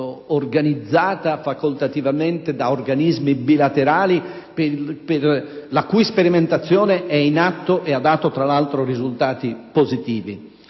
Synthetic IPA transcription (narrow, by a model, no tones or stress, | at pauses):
orɡanid̪zːaːt̪afakolt̪at̪ivament̪ed̪aorɡanizmibilat̪eɾaːli | pperlakujispeɾiment̪at̪sːjɔːneʔɛinat̪ːoʔead̪aːt̪ot̪ɾalalt̪ɾorizult̪aːt̪ipozit̪iːvḭ